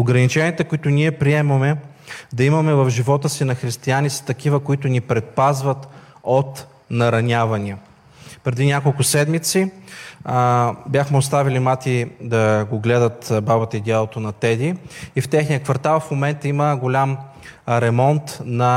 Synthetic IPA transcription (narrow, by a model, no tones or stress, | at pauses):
oɡɾɐnit͡ʃɛniət̪ɛkʊit̪ʊniɛpɾiɛmɐmɛ | d̪ɐimɐmɛvɐfʒivɔt̪əsinɐxɾist̪ianist̪ɐkivəkoit̪ʊnipɾɛt̪̚pazvɐt̪ | ot̪ | nɐɾɐnʲavɐnʲiə | pɾɛd̪inʲakolˠkʊsɛd̪mit̪si | bʲjaxmɛost̪avilimat̪id̪ɐɡoɡlɛd̪ət̪babɐt̪əid̪ʲalˠot̪onɐt̪ɛd̪iift̪ɛxnijəkvɐɾt̪alˠfmomɛnt̪əiməɡolʲamɾɛmɔnt̪nɐ